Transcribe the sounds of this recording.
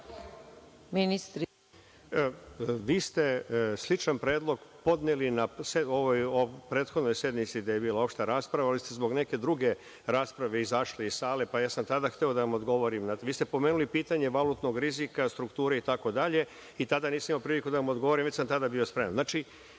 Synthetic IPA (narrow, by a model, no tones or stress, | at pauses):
minist̪ɾ | ʋiːst̪e̞slˠit͡ʃanpɾeːd̪lˠo̞ɡpo̞d̪nelinaseoʋojopɾe̞ːt̪xod̪no̞jsje̞d̪mit̪sid̪ajebiːlao̞pʃt̪eɾaːspɾaʋalist̪ezbo̞ɡne̞ked̪ɾuɡe̞ | ɾaːspɾaʋe̞izaʃleisaːle̞pajaːsamt̪ad̪axt̪eo̞d̪aʋamo̞d̪ɡo̞ʋo̞ɾimnaʋiːst̪epo̞meːnulipiːt̪aɲe̞ʋalut̪no̞ɡɾizikast̪ɾukt̪uːɾeit̪ako̞d̪aʎe̞ | it̪ad̪aniːsmimaopɾiːlikud̪aʋamo̞d̪ɡo̞ʋoɾimʋet͡ɕʲsamt̪ad̪abio̞spɾe̞manznaːt͡ʃi